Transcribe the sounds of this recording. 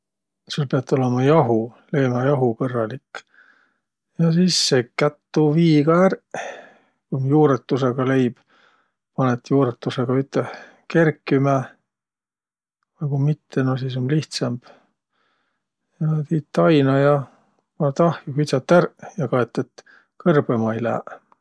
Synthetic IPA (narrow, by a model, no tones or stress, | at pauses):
sulpeɑt̪ːˑo̞lemɑjɑɦu | lejmɑjɑɦukɤrːɑlikː | jɑsisːekːæt̪ːuviːɡ̥ɑær | kumjuːɾet̪ːuseɡɑle̞jb̥ | pɑnet̪ːjuːɾet̪ːˑuseɡ̥ɑyt̪ːe | ke̞rkːˑymæ | nɑkumit̪ʰːenosisonliht̪sɑmb̥ | jɑt̪iːt̪ːˑɑjnɑjɑ | mɑt̪ɑhjukyt̪sɑt̪ːˑærjɑkɑet̪ːˑet̪ | kɤrb̥emɑejlæ̰ː